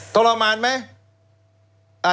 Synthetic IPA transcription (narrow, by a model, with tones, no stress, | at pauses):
t̪o˧la˧maː˧nma˦˥ | a˨